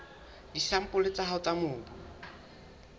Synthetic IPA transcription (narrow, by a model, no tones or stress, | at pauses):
disam̩pʼʊlet͡sʼaɦaʊt͡sʼamʊːbu